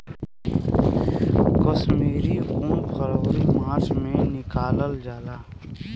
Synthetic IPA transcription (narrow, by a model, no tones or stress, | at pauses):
kəsmiːɾiũːnxəɾoːɾimãːt͡ʃmẽnɪkaːləld͡ʒaːlaː